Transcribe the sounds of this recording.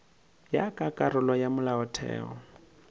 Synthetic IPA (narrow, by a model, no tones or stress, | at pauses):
jakʼakʼaɾʊlɔjamʊlaɔtʰɛ̰ːɔ̰